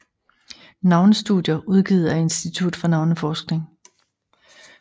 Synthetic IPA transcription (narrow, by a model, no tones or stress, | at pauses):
nɑ̈ʊnəsd̥uðˠjɐʔuð̞ˠɡ̥ḭːð̞ˠɐe̝nsd̥it͡sʰud̥fɒ̽nɑ̈ʊnəfɒːsɡ̥ne̝ŋ